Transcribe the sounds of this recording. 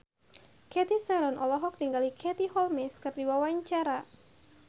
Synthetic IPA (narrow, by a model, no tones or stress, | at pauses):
kɛt̪isaɾɔnʔɔlɔɦɔk̚niŋɡalikʰɛt̪ihɔlmɛskɨrdiwawaiɲt͡ʃaɾa